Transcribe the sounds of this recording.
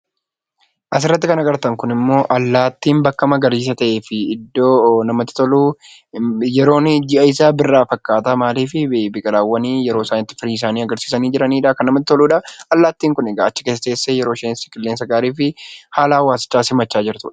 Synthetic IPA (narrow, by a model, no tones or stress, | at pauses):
ʔɐs̬ɪrːɐt̪ːɪkɐnɐɡɐɾt̪ɐŋkʊnɪmːo̞ːʔɐlːaːt̪ːiːmbɐkːɐmɐɡɐɾiːs̬ɐt̪ɐʔe̞ːfɪɪd̪ːoːnɐmɐt̪ːɪ̥t̪ɔluː | jɛɾo̞ːnɪd͡ʒɪʔɐɪsaːbɪrːaːfɐkːaːt̪amaːliːfɪbɪkʼɐlaːwːɐniːjɛɾo̞ːɪsaːnɪt̪ːɪ̥fɪɾiːɪs̬aːniːɐɡɐɾsiːsɐniːd͡ʒɪɾɐniːᶑɐːkɐnɐmɐt̪ːɪ̥t̪ɔluːᶑɐɐlːaːt̪ːiːŋkʊnɛɡaːʔɐt͡ʃːɪ̥keːs̬ɐt̪e̞ːsːeːjɛɾo̞ːʃeːnsɪ̥kʼɪlːeːnsɐɡaːɾiːfɪhaːlaːwaːsɪ̥t͡ʃːaːsɪmːɐt͡ʃːaːd͡ʒɪɾt̪ṵːᶑɐ̥